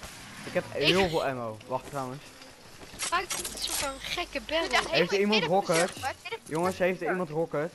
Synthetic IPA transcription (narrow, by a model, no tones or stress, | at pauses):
ɪkɦɛpɪːəlˠvɪːlˠɛnowʋɑχtrawəns | faksofəχɛkəbɛɦejftəɹimɑntrɔkətjoŋəsɦejftəɹimɑntrɔkət